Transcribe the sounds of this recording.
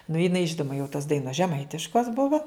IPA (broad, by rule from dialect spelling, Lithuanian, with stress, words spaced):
nʊ jɪˈnɐɪ ˈʒʲɪnʊmɐ jɛʊ toːs ˈdɐɪnoːs ʒʲɛˈmɐɪtʲɪʃkoːs ˈbʊʋoː